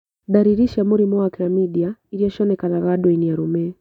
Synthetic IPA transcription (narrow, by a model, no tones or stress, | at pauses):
ɗaɾiɾiʃamuɾimɔakiɾamiɗiaiɾijɔʃɔnɛkanaɾaɗwinijaɾumɛ